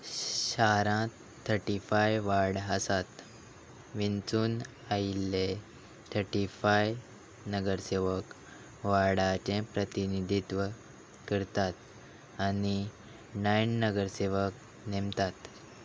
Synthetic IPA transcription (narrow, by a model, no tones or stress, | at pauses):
ɕaɾã | t̪ʰːəɾʈifajʋaɾɽəsat̪ | ʋint͡suːn | ailːe | t̪ʰəɾʈifaj | nəɡəɾseʋək | ʋaɽat͡ɕẽpɾət̪inid̪ʱit̪ʋə | kəɾt̪at̪ | ani | najnːəɡəɾseʋək | nemt̪at̪